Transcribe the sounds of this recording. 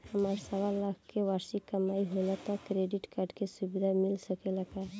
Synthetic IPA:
həmaɾsəʋalakʰkeʋaːɾsikəmaːiɦolat̪ɔkɾeɖɪʈkaɾɖkesubd̪ʱamɪlsəkeləɡa

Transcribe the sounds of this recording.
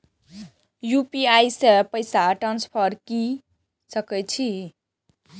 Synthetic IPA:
jupiajsepəjsaʈɾanspʰʌɾki | sʌkəjt͡ʃʰi

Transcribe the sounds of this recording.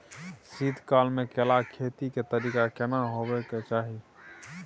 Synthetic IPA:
sid̪ʱkalmẽkelakʰet̪iket̪əɾiːkakenaɦobɛket͡ʃaːɦi

